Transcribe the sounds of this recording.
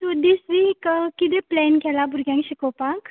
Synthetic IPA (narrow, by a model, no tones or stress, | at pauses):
sod̪isʋiːkkit̪eplɛnkʰɛlabʱuɾɡjãŋkɕikɔpak